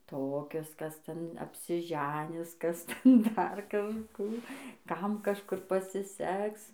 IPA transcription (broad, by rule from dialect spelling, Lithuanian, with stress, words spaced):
ˈtoːkʲʊs kɐs ˈtʲɛn ɐpʲsʲɪˈʒʲæːnʲɪs ˈkɐs ˈtʲɛn dɐr kɐʃˈkuː ˈkɐm kɐʃˈkʊr pɐsʲɪˈsʲɛks